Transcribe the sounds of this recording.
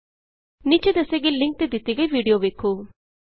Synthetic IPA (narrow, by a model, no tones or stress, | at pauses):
nit͡ʃed̪eseɡilɪ̃ŋk̚t̪ed̪ɪt̪iɡəiʋiːɖijoʋeːkʰːoː